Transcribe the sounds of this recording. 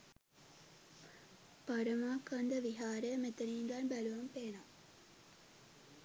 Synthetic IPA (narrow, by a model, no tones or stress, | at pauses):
paɾəmaːkand̪əʋiɦaːɾəjəmet̪əniːŋɡanbæluʋɐmpeːnɐm